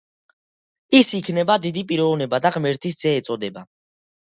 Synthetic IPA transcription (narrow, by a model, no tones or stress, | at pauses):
isikʰnɛbad̪id̪ipʼiɾɔvnɛbad̪aʁmɛɾt̪ʰis̬d̪zɛːt̪sʼɔd̪ɛba